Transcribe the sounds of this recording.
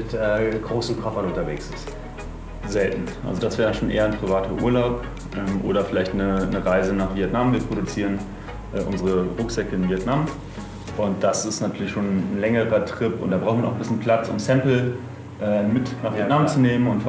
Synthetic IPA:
ɪtɛːɡ̥ʁoːsn̩kʰɔfɐnʊntɐvḛːksɪst | zɛltn̩ʔa̰lzodasv̥ɛːɐʁənʃoːnʔḛːɐn̩pʁ̥ivaːtʰɐʔṵːɐlaʊp | ʔɛːmʔo̰ːɾɐfɪlaɪçtnənəʁaɪzənaːχv̥iɛtnamviːɐpʁ̥oɾut͡siːʁən | ʔɛːʔʊnzəʁəʁʊkz̥ɛkəɪnviɛtnam | ʔʊnt̚d̥asɪstnatʰyːɐlɪçʃoːnn̩lɛŋəʁɐtʁ̥ɪpʊ̰ntd̥aːbʁaʊxnmanaʊnbɪsçənpʰl̥at͡sʔʊ̰msɛmpl̩ | ʔɛːmɪtnaːvinamt͡suneːmənʊntf

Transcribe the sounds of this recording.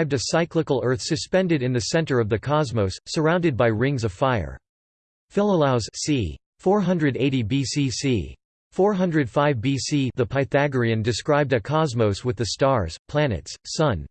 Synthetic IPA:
ɪb̚dɨsaɪkləkl̩ˠɜ˞θsɨspɛ̃ndɨɾɨ̃nðɨsɛ̃ntə˞ʌvðɨkʰɑzmoʊsːə˞ãʊ̃ndɨd̚baɪɹɪ̃ŋzʌv̥faɪə̰˞ | fɪlˠəlˠaʊz̥si | fɔɹɦʌ̃ndɹɨɾeɪɾibisisḭ | fɔɹɦʌ̃ndɹɨd̥faɪvbisiðəpʰaɪθæɡə˞iɨ̃ndɨskɹaɪb̚dɨkʰɑzmoʊswɨðɨstɑɹz̥pʰl̥ænɨ̰tssʌ̃n

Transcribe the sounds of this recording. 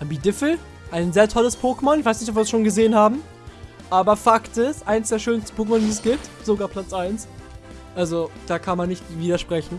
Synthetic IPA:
ʔambiːdɪfl̩ | ʔaɪnzeːɐtʰɔləspʰoːkmɔnɪçv̥aɪsnɪçt̬ɔp̬viːɐsʃoːnɡəzeːənhaːbm̩ | ʔaːbɐfaktɪsʔaɪnsd̥eːɐʃøːnstn̩pʰoːkmɔndiːɛsɡ̥iːp̚t | z̥oɡaːɐpʰl̥at͡sʔaɪns | ʔalzod̥aːkʰanmanːɪçtviːdɐʃpʁ̥ɛçn̩

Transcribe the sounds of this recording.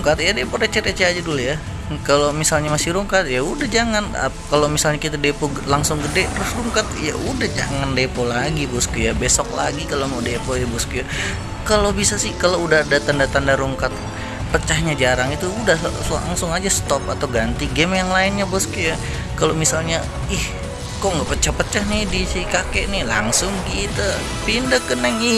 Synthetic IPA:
ŋkat̪jadepoɾet͡ʃɛɾet͡ʃead͡ʒaduluja | kalomisalɲamasiɾuŋkat̪̚jaudahd͡ʒaŋana̰pkalomisalɲakit̪adepo | laŋsʊŋɡədɛt̪əɾʊsruŋkat̪ja̰ʔudahd͡ʒa̰ŋandepolaɡibɔskujabesɔk̚la̰ɡikalomadepoidibɔskuja | kalobisasɪhkaloudahadat̪andat̪andaɾuŋkat̪̚ | pət͡ʃahɲad͡ʒaɾaŋit̪uːdahla̰ŋsʊŋad͡ʒast̪ɔpat̪awɡant̪iɡɛmjaŋlaɪnɲabɔskuja | kalomisalɲa | ɪh | koʔŋɡaʔpət͡ʃahpət͡ʃahnɪhdisikakeʔnɪhla̰ŋsʊŋɡit̪a | pindakənəŋɪ

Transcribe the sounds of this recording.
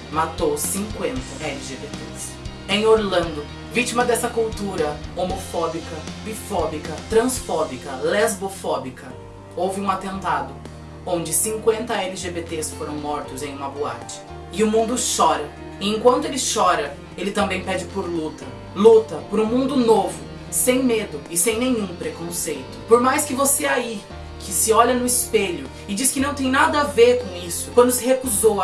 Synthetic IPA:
mat̪owsĩŋkwẽnt̪ɐɛliʒebet̪es | ẽj̃oɾlɐ̃nd̪ʊ | vit͡ʃimɐd̪ɛsɐkuwt̪uɾɐomofɔbikɐbifɔbikɐt̪ɾɐ̃sfɔbikɐlɛzbofɔbikɐ | owvɪũat̪ẽnt̪ad̪ʊ | õnd͡ʒɪsĩŋkwẽnt̪ɐɛlɪʒebet̪esfoɾɐ̃w̃mɔɾt̪ʊzẽj̃ũmɐboa̰t͡ʃɪ̥ | ɪʊmũnd̪ʊʃɔɾɐ | ɪẽŋkwɐ̃nt̪ʊelɪʃɔɾɐ | elɪt̪ɐ̃mbẽj̃pɛd͡ʒɪpoɾlut̪ɐ | lut̪ɐpoɾũmũnd̪ʊnovʊ | sẽj̃med̪ʊɪsẽj̃nẽɲ̃ũpɾekõsejt̪ʊ̥poɾmajskɪvoseai | kʰɪsɪɔʎɐnʊɪspeʎʊ | ɪd͡ʒiskɪnɐ̃w̃t̪ẽj̃nad̪ɐaveɾkõw̃isʊ̥kwɐ̃d̪ʊsɪhekuzow

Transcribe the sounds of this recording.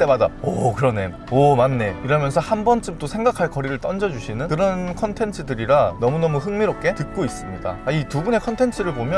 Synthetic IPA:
t͈e̞mada̰ʌ̰kɯɾʌne̞ | ʌmanːe̞iɾʌmjʌnsʰʌhanbʌnt͡ɕ͈ɯmt͈osʰe̞ŋɡakʰaɭkʌɾiɾɯɭt͈ʌnd͡ʑʌd͡ʑuɕʰinɯnkɯɾʌnkʰʌntʰe̞ntʰɯdɯɾiɾanʌmunʌmuɦɯŋmiɾop̚k͈ʰe̞tɯk̚k͈ois͈ɯmɲida̰aitubune̞kʰʌntʰe̞ntʰɯɾɯɭpomjʌ

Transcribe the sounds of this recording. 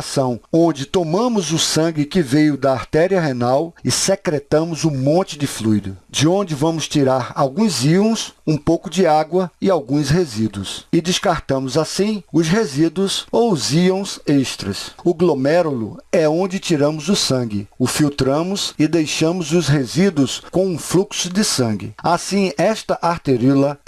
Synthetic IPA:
sɐ̃w̃õnd͡ʒɪt̪omɐ̃mʊzʊsɐ̃ŋɡɪkɪvejʊd̪ɐːɾt̪ɛɾiɐɦenawɪsekɾet̪ɐ̃mʊzũmõnt͡ʃɪd͡ʒɪflujd̪ʊd͡ʒɪõnd͡ʒɪvɐ̃mʊst͡ʃiɾaɾawɡũziõsũpowkʊd͡ʒɪaɡwɐɪawɡũshezid̪uʊ̰sɪd̪ɪskaɾt̪ɐ̃mʊzasĩʊsɦezid̪uʊsowʊziõw̃seʃt̪ɾɐsʊɡlomɛɾolʊ̰ɛõnd͡ʒɪt͡ʃiɾɐ̃mʊzʊsɐ̃ŋɡɪʊfiwt̪ɾɐ̃mʊzɪd̪ejʃɐ̃mʊzʊsɦezid̪uʊskõw̃ũfluksʊd͡ʒɪsɐ̃ɡɪ̰asĩɛst̪ɐʔaɾt̪eɾilɐ

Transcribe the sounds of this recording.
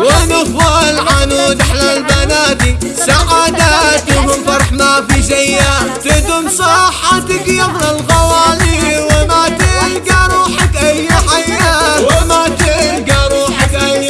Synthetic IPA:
wɪnʊfalʕanud̪aħlalbanaːt̪i | saʕaːd̪at̪imɪnfɑɾˤħmafizajːat̪ɪd̪ʊmsˤɑħat̪ɪkjaɣlalɣɑwaːliwɪmat̪ɪlɡaɾˤuːħɪkʔajːħajːaːwɪmat̪ilɡaɾˤuːħɪkʔaj

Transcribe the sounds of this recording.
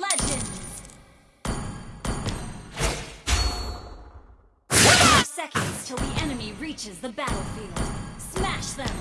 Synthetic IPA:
lɛd͡ʒɨ̃ndz̥ | wʌɾsɛkɨ̃nz̥tʰɨlˠðiʔɛnɨmiɹit͡ʃɨzðəbæɾl̩ˠfilˠd̥smæʃðɨ̃m

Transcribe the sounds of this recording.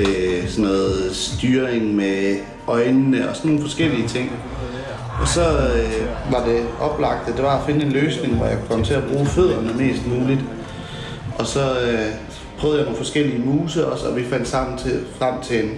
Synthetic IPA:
sɒnːɔ̽ːð̩ˠsd̥yːɐeŋme | ʔɒ̽ɪnnəɒ̽sɒnːo̝ːn̩fɒ̽sɡ̥el̰iət͡sʰe̝ŋ̰ | ʔɒ̽sɒ̽ | ʋɑ̈d̥e̝ʔɒ̽b̥lɑ̈ɡ̥̚d̥əd̥e̝ʋɑ̈æfe̝nəe̝nløːsne̝ŋʋɒjɑ̈kkʰɒ̽mt͡sʰe̝æb̥ʁuːføð̞̰ˠɐnəme̝̰ːsd̥muːlid̥ | ʔɒ̽sɒ̽ | pʰʁœːð̞̩ˠjano̝ːn̩fɒ̽sɡ̥el̰iəmuːsɐɒ̽sɒ̽ʋifæn̰d̥sɑ̈m̰n̩t͡sʰefʁam̰t͡sʰe̝n

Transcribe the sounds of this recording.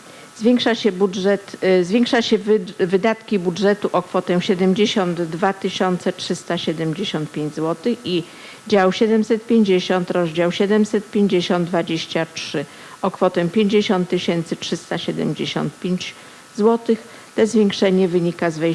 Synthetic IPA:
zvʲjɛŋkʂaɕɛbuʐɛt̪zvʲeŋkʂaɕɛvɘd̪at̪kʲibudʐɛt̪uʔɔkfɔt̪ɛ̃ɕɛd̪ɛmd͡ʑeɕɔnd̪ːvat̪ɘɕɔnt̪sɛtʂɘst̪aɕɛd̪ɛmʲd͡ʑeɕɔ̃nt̪̚pʲjẽɲd͡ʑzwɔt̪ɘxi | d͡ʑawɕɛd̪ɛmsɛt̪̚pʲjeɲd͡ʑeɕɔnt̪ɾɔzd͡ʑawɕɛd̪ɛmsɛt̪̚pʲjeɲd͡ʑeɕɔnd̪d̪vad͡ʑeɕt͡ɕatʂɘ | ɔkfɔt̪ɛ̃pʲjeɲd͡ʑeɕɔ̃nt̪ːɘɕɛnt̪sɘtʂɘst̪aɕɛd̪ɛ̰md͡ʑeɕɔ̰̃nt̪̚pʲjeɲd͡ʑ | zwɔt̪ɘx | t̪ɛzvʲjeŋkʂɛɲɛvɘɲikazvɛ

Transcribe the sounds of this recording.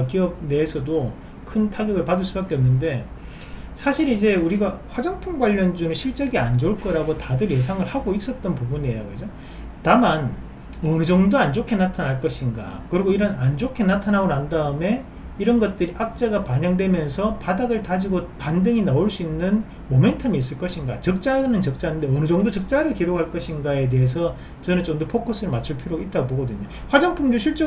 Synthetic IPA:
kiʌb̚neːsʰʌdo | kʰɯntʰaɡjʌɡɯɭpadɯɭs͈ubak͈eʌnːɯnde̞ | sʰaɕʰiɾid͡ʑe̞uɾiɡaɸwad͡ʑʌŋpʰoŋɡwaʎːʌnd͡ʑunɯɭɕʰiɭt͡ɕ͈eɡeand͡ʑoɭk͈ʌɾaɡotadɯɾje̞s̬ʰaŋɯɭhaɡois͈ʌt̚t͈ʌnpubuniejaɡɯd͡ʑo | taman | ʌnɯd͡ʑʌŋdoand͡ʑokʰenatʰanaɭk͈ʌɕʰinɡa̰kɯɾiɡoiɾʌnand͡ʑokʰe̞natʰanaɡonɦandaɯme̞ | iɾʌnɡʌt̚t͈ɯɾiʔak̚t͡ɕ͈aɡapaɲʌŋdwe̞mjʌnsʰʌpadaɡɯɭtad͡ʑiɡopandɯŋinaoɭs͈uinːɯn | mome̞ntʰʌmiːs̬͈ɯɭk͈ʌɕʰinɡat͡ɕʌk̚t͡ɕ͈aɯnɯnt͡ɕʌk̚t͡ɕ͈anɯndeʌnɯd͡ʑʌŋdot͡ɕʌk̚t͡ɕ͈aɾɯɭkiɾokhaɭk͈ʌɕʰinɡae̞d̬e̞es̬ʰʌ | t͡ɕʌnɯnt͡ɕomdopʰokʰos͈ʰɯɾɯɭmat͡ɕʰuɭpʰiɾjoit̚t͈aɡoboɡʌdɯɲo | ɸwad͡ʑaŋpʰuŋd͡ʑoɕʰiɭt͡ɕ͈o

